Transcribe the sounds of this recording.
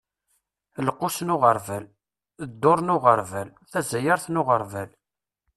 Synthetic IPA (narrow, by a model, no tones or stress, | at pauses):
ləqːʊsnʊʁəɾvæl | əd̪ːʊɾˤnʊʁəɾˤvæl | θæzæjəɾθnʊʁəɾˤvæl